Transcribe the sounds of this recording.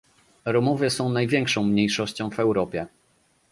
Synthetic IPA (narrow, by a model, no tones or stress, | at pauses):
ɾɔmɔvʲjɛsɔ̃w̃najvʲjɛŋkʂɔ̃w̃mɲejʂɔɕt͡ɕɔ̃w̃vɛwɾɔpʲjɛ